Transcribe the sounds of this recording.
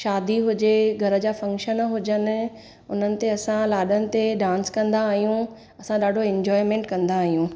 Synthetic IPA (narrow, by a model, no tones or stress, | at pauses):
ʃaːd̪iɦʊd͡ʑeɡʱɐɾəd͡ʑaːfɐ̃ŋkʃənɦʊd͡ʑənɪ̆ | ʊn̤ənɪ̆t̪eɐsãlaːɗənɪ̆t̪eɗãːnskɐ̃nd̪aːɦijũ | ɐsãɗaːɖʱoɛ̃ɲd͡ʑɔːɪmẽːɳʈkɐ̃nd̪aːɦijũ